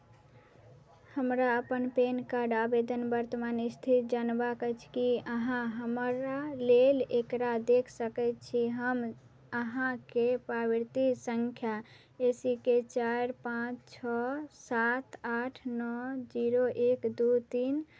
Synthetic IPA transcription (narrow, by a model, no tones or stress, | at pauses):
həmɾaəpənpenkaɾɖabed̪ənbəɾt̪əmanist̪ʰit̪d͡ʒanbakət͡ʃʰkiəɦãɦəməɾalelekɾad̪ekʰsəkɛt̪t͡ʃʰiɦəm | əɦãkepɾabiɾt̪isəŋkʰja | esiket͡ʃaɾpãt͡ʃʰt͡ʃʰɔsat̪aʈʰnɔd͡ʒiɾoʔekd̪ut̪in